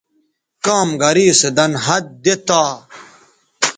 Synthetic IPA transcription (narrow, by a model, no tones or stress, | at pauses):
kaːmɡɐɾiːsed̪ɐnɦɐd̪̚d̪et̪aː